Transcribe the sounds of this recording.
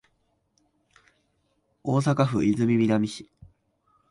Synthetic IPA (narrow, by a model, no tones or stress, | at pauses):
oːs̬akaɸɯ̟izɨmʲimʲiɾamʲiɕi̥